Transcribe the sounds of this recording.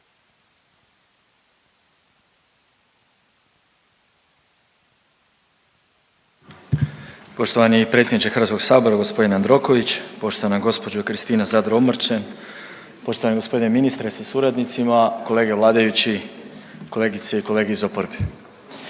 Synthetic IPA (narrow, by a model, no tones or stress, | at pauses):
po̞ʃt̪oʋanipɾe̞t̪sʲjed̪nit͡ʃ̪e̞xɾr̩ʋat̪skoɡsaːbo̞ɾaɡo̞spo̞d̪inand̪ɾo̞ko̞ʋit͡ɕpo̞ʃt̪oʋanaɡo̞spo̞d͡ʑokɾist̪iːnazad̪ɾomɾt͡ʃen | po̞ʃt̪oaneɡospo̞d̪ine̞minist̪ɾesasuɾad̪nit̪simako̞le̞ːɡe̞ʋlˠaːd̪ajut͡ɕi | ko̞le̞ːɡit̪seiko̞le̞ːɡeizo̞poɾbe